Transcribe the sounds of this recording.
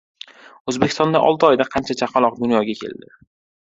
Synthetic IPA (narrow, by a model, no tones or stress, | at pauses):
ɵzbekʲɪst̪ɒnd̪aʔɒ̰lˠt̪ɪɒjd̪aqʰɑnt͡ʃʰat͡ʃʰaqʰɑlˠɒq̚d̪ʊnjɒɡʲakʲʰe̞̰ld̪ɪ